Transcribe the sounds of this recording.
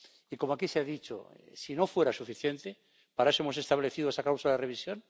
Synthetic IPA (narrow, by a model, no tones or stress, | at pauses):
iko̞moakiseaðit͡ʃo̰sino̞fwe̞ɾasufiθjent̪e | paɾaesoemo̞s̬e̞st̪aβleθiðoesakawsulaðereβ̞isjo̞n